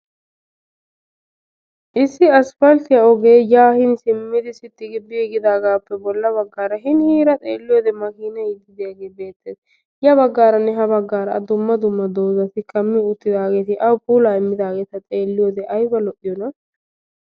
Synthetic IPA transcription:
ʔɪsːɪɐsfɐlt̪ɪjɐɔɡe̞ːjaːhɪnsɪmːɪd̪ɪsɪt̪ːɪɡɪbːɪɛɡɪd̪aːɡaːpːɛbɔlːɐβɐɡːaːɾɐɦɪnhiːɾɐt̪ʼḛːlːɪjɔːd̪ɛmɐkiːnɐɪɡɪd̪ɪjɐɡeːbe̞ːt̪ːeːs | jɐβɐɡːaːɾɐnːɛɦɐbɐɡːaːɾɐd̪ʊmːɐd̪ʊmːɐd̪oːzɐt̪ɪkʼɐmːɪʊt̪ːɪd̪aːɡe̞ːt̪ɪʔɐwpʼuːlaːɪmːɪd̪aːɡeːt̪ɐt̪ʼe̞ːlːɪjɔd̪ɛʔɐjbɐlɔʔɪjɔnɐ

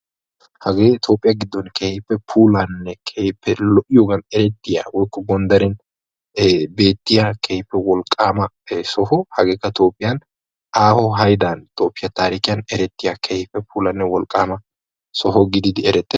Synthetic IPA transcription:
hɐɡeːɪt̪ʰo̞ːpʼːɪjɐɡɪd̪ːɔnkʰeːhɪpːɛpʰuːlɐnːɛkʰepːɛlɔʔɪjoːɡɐnɛɾɛt̪ːɪja̰wɔjkːɔɡɔnd̪ɐɾɛn | be̞ːt̪ːɪjakʰeːhɪpːɛwɔlkʼːaːmɐ | sɔhɔhɐɡeːkːɐt̪o̞ːpʼːɪjɐn | ʔaːhɔɦɐjd̪aːnt̪o̞ːpʼːɪjɐt̪aːɾɪkɪjɐnɛɾɛt̪ːɪjakʰeːhɪpːɛpuːlɐnːɛwɔlkʼːaːmɐ | sɔɦɔɡɪd̪ɪd̪ɪɛɾɛt̪ʼːɪ

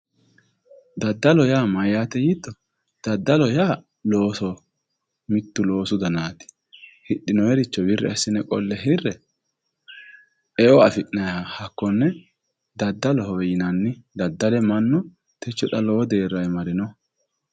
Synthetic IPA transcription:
d̪ɐd̪ːɐlɔjaːmɐjːaːt̪ɛjɪt̪ːɔ | d̪̥ɐd̪ːɐlɔjaː | lo̞ːsɔ | mɪt̪ːʊlo̞ːsʊd̪ɐnaːt̪ɪ̥ | hɪɗːɪnɔjɛɾɪt͡ʃːɔbɪrːɛ̰ɐsːɪnɛkʼɔlːɛɦɪrːɛ | ɛʔɔɐfɪʔnɐjaːhɐkːɔnːɛ | d̪ɐd̪ːɐlɔhɔwɛjɪnɐnːɪd̪ɐd̪ːɐlɛmɐnːɔ | t̪ɛt͡ʃːɔᶑɐlɔwɔd̪eːɾːɐjɛmɐɾɪnɔ

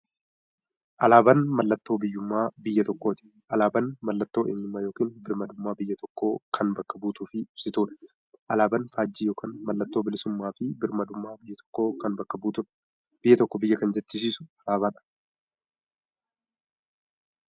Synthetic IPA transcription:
ʔɐlaːbɐnmɐlːɐt̪ːo̞ːbɪjːʊmːaːbɪjːɐt̪ɔkːo̞ːt̪ɪ̥ | ʔɐlaːbɐnmɐlːɐt̪ːo̞ːʔeːɲːʊmːaːjo̞ːkiːnbɪɾmɐd̪ʊmːaːbɪjːɐt̪ɔkːoːkʰɐnbɐkːɐbuːt̪ʊfɪɪb̥sɪt̪uːᶑɐ̥ | ʔɐlaːbɐnfaːd͡ʒːiːjoːkaːnmɐlːɐt̪ːo̞ːbɪlɪsʊmːaːfɪbɪɾmɐd̪ʊmːaːjːɐt̪ɔ̥kːo̞ːkɐnbɐkːɐbuːt̪ʊᶑ | b̥ɪjːɐt̪ɔkːɔbɪjːɐkɐnd͡ʒɛt͡ʃːɪs̬iːsʊ̥ɐlaːbɐnɐ̥

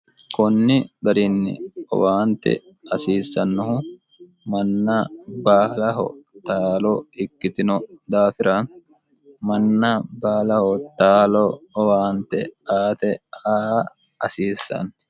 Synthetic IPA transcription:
kɔnːɪɡɐɾɪnːɪ̰ɔ̰waːnt̪ɛ̰ | ɐsiːsːɐnːɔhʊ | mɐnːɐbaːlɐɦɔ̰t̪aːlɔɪkːɪt̪ɪnɔd̪aːfɪɾɐ | mɐnːɐbaːlɐhɔt̪aːlɔɔwaːnt̪ɛ̰aːt̪ɛaː | ɐsiːsːɐ̰n

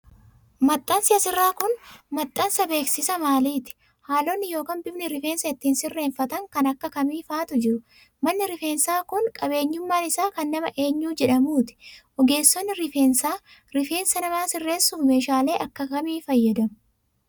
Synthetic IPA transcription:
mɐt̪ʼːɐnsɪɐsɪrːaːkʊnmɐt̪ʼːɐnsɐbe̞ːksɪsɐmaːliːt̪ɪ̥ | haːloːnːɪjo̞ːkɐnbɪbnɪɾɪfe̞ːnsɐɪt̪ːiːnsɪrːe̞ːnfɐt̪ɐŋkɐnɐkːɐkɐmiːfaːt̪ʊd͡ʒɪɾʊ | mɐnːɪɾɪfe̞ːnsaːkʊŋkʼɐbe̞ːɲːʊmːaːnɪsaːkɐnːɐmɐʔe̞ːɲːuːd͡ʒɛᶑɐmuːt̪ɪ̥ʔɔɡe̞ːsːɔnːɪɾɪfeːnsaː | ɾɪfe̞ːnsɐnɐmaːsɪrːe̞ːsːuːfme̞ːʃaːle̞ːʔɐkːɐkɐmiːfɐjːɐd̪ɐmʊ

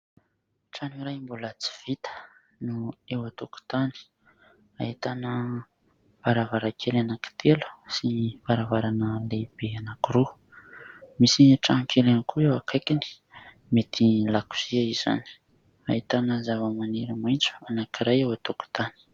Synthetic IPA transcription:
ʈ͡ʂaniɾajmbulat͡si̥v̥it̪ə̥ | nuewat̪oku̥t̪ani̥ | a̰ɦit̪anə | v̥aɾavaɾakʰelanaki̥t̪ʰelu̥siv̥aɾavaɾanəleb̥eanakiɾu | misiʈ͡ʂanikʰelanikʰuewakʰajkʲini̥ | met̪ʰilaku̥z̥iaiza̰ni̥ | aɦit̪anəzavəmaneɾəmajnt͡su̥anakiɾajewat̪oku̥t̪ani̥

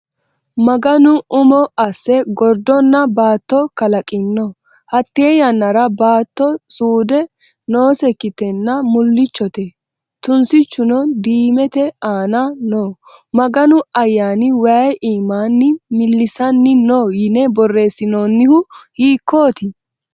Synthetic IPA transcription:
mɐɡɐnʊʔʊmɔʔɐsːɛɡɔɾd̪ɔnːɐbaːt̪ːɔkɐlɐkʼɪnːɔ | hɐt̪ːe̞ːjɐnːɐɾɐbaːt̪ːɔsʼuːd̪ɛ | noːsɛkːɪt̪ɛnːɐmʊlːɪt͡ʃːɔt̪ɛ | t̪ʊnsɪt͡ʃːʊnɔd̪iːmɛt̪ɛaːnɐnoː | mɐɡɐnʊɐjːaːnɪwɐjʔiːmaːnːɪmɪlːɪsɐnːɪnoːjɪnɛbɔrːe̞ːsɪnoːnːɪhʊhiːkʰːoːt̪ɪ

